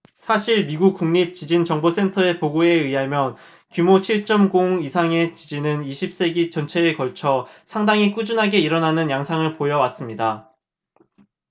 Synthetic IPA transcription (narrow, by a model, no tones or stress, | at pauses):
sʰaɕʰiɭmiɡuk̚k͈uŋɲip̚t͡ɕid͡ʑint͡ɕʌŋbos͈e̞ntʰʌe̞poɡoe̞ɯiɦamjʌn | kjumot͡ɕʰiɭt͡ɕ͈ʌmɡoŋisʰaŋe̞t͡ɕid͡ʑinɯniɕʰip̚s͈e̞ɡit͡ɕʌnt͡ɕʰe̞ɯkʌɭt͡ɕʰʌsʰaŋdaŋik͈ud͡ʑunɦaɡe̞iɾʌnanɯnjaŋsʰaŋɯɭpojʌwas͈ɯmɲida